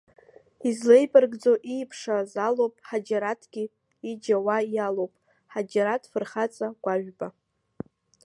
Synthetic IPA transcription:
izlejbɨrɡd͡zo̞ʔijpʰʂazalowpʼħad͡ʒaɾatʰɡ̥ʲi | id͡ʒawajalowpʼ | ħad͡ʒaɾatʰʼfɨrχat͡sʼaɡ̥ʷaʒᶣba

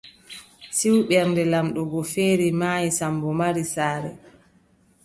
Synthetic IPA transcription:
siwɓɛɾndɛlamɗɔɡɔfeːɾimaːjisambɔmaɾisaːɾɛ̰

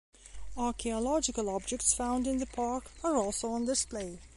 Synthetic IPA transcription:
ɑɹkʰiəlɑd͡ʒɪkəlˠɑb̚d͡ʒɛk̚tsfãʊ̃ndɪ̃nðəpʰɑɹkə˞ɔˑlˠsoʊə̃ndɪspleɪ

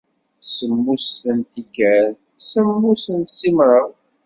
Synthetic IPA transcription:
səmːusθənt̪iɡæɾ | səmːusənt̪simɾˤəw

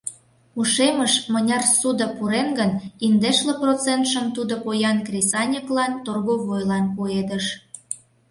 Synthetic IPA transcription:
uʃeməʃmənʲɑrsud̪ə̆puɾenɡənind̪eʃleprot͡sent̪ʃəmt̪ud̪opojɑnkrʲesɑnʲəklɑnt̪orɣoβojlɑnpued̪əʃ

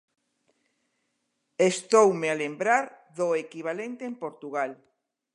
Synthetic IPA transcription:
est̪owmealembɾaɾ | ðoekiβ̞alent̪eempoɾt̪uɣal

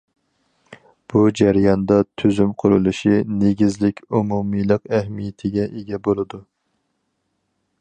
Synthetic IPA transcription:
b̥ud͡ʒæɾjɑnd̪ɑt̪ʰyzymqʰʊɾulˠuʃineɡʲizlɪkʲumumijlˠəqæhmijɪt̪ʰɪɡʲɛʔeɡʲɛbolˠɨd̪u

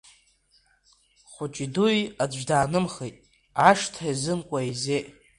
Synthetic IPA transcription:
χʷʊt͡ʃʼidujadaːnɨmχejtʼ | aʂtʰazɨnkʷʼaize

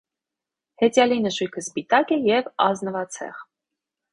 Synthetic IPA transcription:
hɛt͡sjɑlinəʃujkʰəspit̪ɑkɛjɛvɑznəvɑt͡sʰɛ̰ʁ

